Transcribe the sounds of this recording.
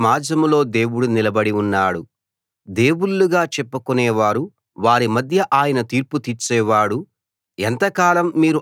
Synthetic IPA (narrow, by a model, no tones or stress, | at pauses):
maːd͡ʒɐmulo̞ːd̪e̞ːwuɽunilɐbɐɽiunːaːɽu | d̪e̞ːwuɭːuɡaːt͡ʃɛpːukunɛːʋaːɾu | ʋaːɾimɐd̪ʱjɐʔaːjɐnɐt̪iːɾput̪it͡ʃɛːʋaːɽu | ent̪ɐkaːlɐmːiːɾu